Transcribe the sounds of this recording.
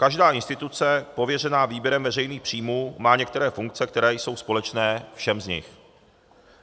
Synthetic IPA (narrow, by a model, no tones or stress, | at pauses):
kaʒdaːʔɪnst̪ɪt̪ut͡sɛpo̞vjɛrɛnaːviːbjɛɾɛmvɛrɛjniːxpr̝̥iːmuːmaːɲɛk̚t̪ɛɾɛːfuŋk̚t͡sɛkt̪ɛɾɛːjso̞wspo̞lɛt͡ʃnɛːfʃɛmzɲɪ̰x